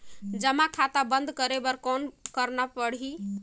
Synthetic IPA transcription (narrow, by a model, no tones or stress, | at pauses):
d͡ʒəmakʰat̪abənd̪kəɾebəɾkonkəɾnapəɽ̤i